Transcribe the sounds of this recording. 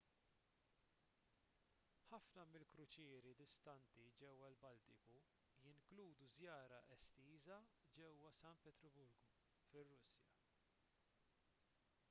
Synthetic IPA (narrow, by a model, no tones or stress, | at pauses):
ħɐfnɐmɪlkɾʊt͡ʃɪːɾid̪ɪst̪ɐnt̪id͡ʒɛwːɐlbɐlt̪ɪku | jɪŋkluːd̪uzjɐːɾɐʔɛst̪iːzɐd͡ʒɛwːɐsɐnt̪pɛt̪ɾɔbʊɾɡu | fɪrːʊsjɐ